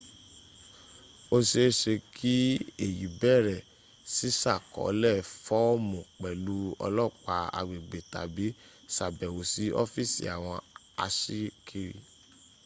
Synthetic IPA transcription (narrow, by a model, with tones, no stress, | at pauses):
o˧ʃe˧˦ʃe˧kʰi˦e˨ji˨bɛ˦˨ɾɛ˨ | si˨˦sa˦˨kɔ̰˨˦lɛ˦˨fɔ˦mũ˨k͡pɛ˨lu˦ɔ̰˧lɔ˦˨k͡pa˧a̰˨ɡ͡be˨ɡ͡be˨ta̰˨bi˨˦ | sa˨bɛ˨wo˨si˨˦ʔɔ̰˦fi˦˨sḭ˨a̰˨w̃ɔ̃˧ | a̰˧ʃi˦kʰi˧ɾḭ˧